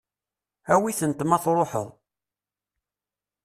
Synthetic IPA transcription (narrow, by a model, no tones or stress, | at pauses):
æwiθənt̪mæθɾˤoħə̰ðˤ